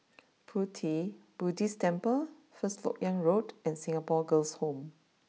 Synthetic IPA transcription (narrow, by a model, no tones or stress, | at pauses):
pʰutʰib̥udistɛ̃mpə | fəstlɔ̰k̚jãŋɹodɛ̃nsĩŋapɔɡəlshõm